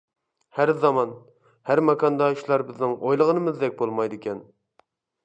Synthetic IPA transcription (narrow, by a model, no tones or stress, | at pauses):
hæɾzɑmɑn | hæɾmɑkʰɑnd̪ɑyʃlˠɑɾbɪznɪŋojlˠəʁənɨmɨzd̪ɛk̚ʲbolˠmɑjd̪ɨkʲʰɛn